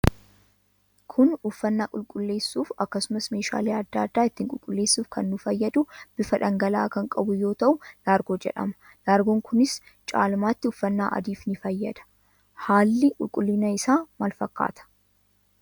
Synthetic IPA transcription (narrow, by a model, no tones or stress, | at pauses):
kʰʊnʊfːɐnːaːkʼʊlkʼʊlːe̞ːsːuːfɐkːɐsʊmɐsme̞ːʃa̰ːleːɐd̪ːaːd̪ːaːɪt̪ːiːŋkʼʊlkʼʊlːe̞ːsːuːfkʰɐnːʊfɐjːɐd̪ʊb̥ɪfɐᶑɐŋɡɐla̰ːkɐŋkʼɐbʊjo̞ːt̪ɐʔʊlaːɾɡo̞ːd͡ʒɛ̰ᶑɐ̰mɐ̥ | laːɾɡoːŋkʰʊnɪs | t͡ʃʼa̰ːlmaːt̪ːɪʊfːɐnːa̰ːʔɐ̰d̪iːfnɪfɐjːɐd̪ɐ̥ | haːlːɪkʼʊ̰lkʼʊlːɪnɐɪsaːmɐlfɐkːa̰ːt̪ʰɐ̥